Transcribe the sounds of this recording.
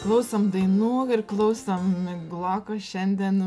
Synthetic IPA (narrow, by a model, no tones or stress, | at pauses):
klˠɐʊsɐmd̪ɐɪnuɔɪɾklˠɐʊsɐmɪɡlˠɑːkɐʃʲɛnʲd̪ʲiɛn